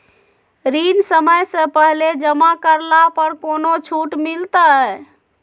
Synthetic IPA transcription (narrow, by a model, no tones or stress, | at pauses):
ɾinsəməjsə̃pəɦled͡ʒəmakəɾlapəɾkonot͡ʃʰuʈmilt̪ə